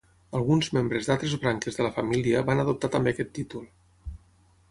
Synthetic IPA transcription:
əlˠɣunzmembɾəzðalˠt̪ɾezβɾaŋkezðələfamiliəβanəðup̚t̪at̪əmbekɛt̪ːit̪ulˠ

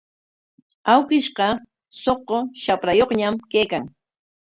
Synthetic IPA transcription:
awkɪʃqɑ | soqoʃapɾajoχɲamkejkaŋ

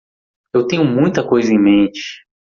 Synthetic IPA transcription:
ewt̪ẽɲʊmũj̃t̪ɐkojzɐẽj̃mẽnt͡ʃɪ̥

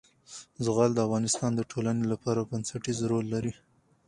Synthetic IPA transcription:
zʊɣɑld̪əafɣɑnɪst̪ɑnd̪əʈʰolanelapɑɾabansaʈizɾolːaɾi

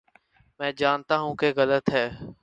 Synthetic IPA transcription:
mɛ̃ːd͡ʒaːnt̪aːɦũːkeɣələt̪ɦɛː

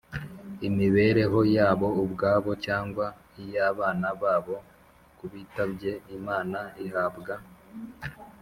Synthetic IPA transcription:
imiβe̞ːɾe̞ɦo̞jaːβo̞ubɡaːβo̞caːŋɡwa | ijaːβaːnaβaːβo̞ | kuβiːtabɟe̞imaːnaihabɡa

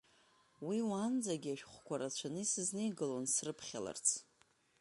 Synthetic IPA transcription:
wiwand͡zaɡʲiaʃᶣχʷkʷʰaɾat͡ʃʷʰanɨisɨznejɡɨlonsrɨpʰχʲala̰rt͡sʰ

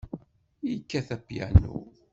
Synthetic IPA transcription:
jkːæθæpːjæ̰nṵ

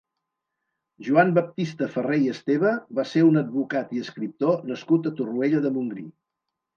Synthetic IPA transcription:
ʒuambəp̚t̪ist̪əfərejəst̪eβ̞əβaseɾunəd̪̚βukat̪iəskɾip̚t̪onəskut̪ət̪urueʎəðəmuŋɡɾḭ

